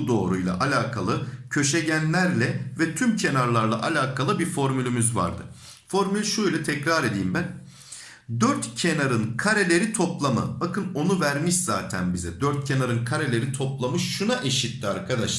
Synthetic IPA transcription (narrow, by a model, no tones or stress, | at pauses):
d̪o̞ːɾujlˠa̰ʔalʲaːkʰalˠɯcʰø̞ʃeɟænlʲæɾlʲɛvɛt̪ʰymcʰe̞naɾlˠaɾlˠa̰ʔalʲaːkʰalˠɯbiɾfo̞ɾmylʲymyzva̰ɾd̪ɯ̰ | fo̞ɾmylʲʃuilʲˠɛt̪ʰɛcɾaɾe̞d̪ḭːmbæn | d̪øɾt̪cʰe̞naɾɯnkʰaɾelʲe̞ɾit̪ʰo̞plˠamɯ̰bakʰɯno̞nuvæɾmiʃz̥aːt̪ʰæ̰nbizɛd̪øɾt̪̚cʰe̞naɾɯnkʰaɾelʲe̞ɾit̪ʰo̞plˠamɯʃʃunaʔeʃit̪ːiaɾkʰad̪aʃˠ